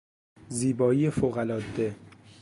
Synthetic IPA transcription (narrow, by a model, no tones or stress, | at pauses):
ziːbɒːijefoɣælɒːd̪ːe